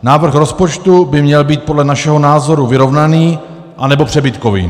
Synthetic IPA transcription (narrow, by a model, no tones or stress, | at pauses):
naːvr̩xɾo̞spo̞t͡ʃt̪ubɪmɲɛlbiːt̪̚podlɛnaʃɛɦo̞naːzo̞ɾuvɪɾo̞vnaniː | ʔanɛbo̞pr̝̥ɛbɪt̪ko̞vḭː